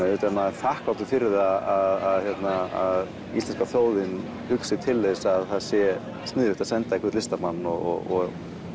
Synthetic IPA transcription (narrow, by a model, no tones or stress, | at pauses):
ɛʏt̪ɛnːaθahkvaw̪t̪ʏfɪɾɪðaaðaðçjɛt̪naa̰ð | ist̪ɛnskaθjoːwðɪn | hʏksɪt̪ʰɪlːesaðθaðsjɛ | st̪nɪːðʏht̪asɛnt̪aikvɛɾt̪lɪst̪amanːɔɣɔ̰ɣɔ̰ɣ